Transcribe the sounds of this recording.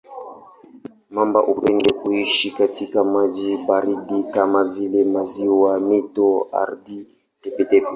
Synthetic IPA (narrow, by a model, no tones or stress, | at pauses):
mambaʔupɛndɛkuiʃikatʰikamaʄibaɾiɗikamavilɛmaziwamitɔa̰ɾdi | tɛpɛtɛpɛ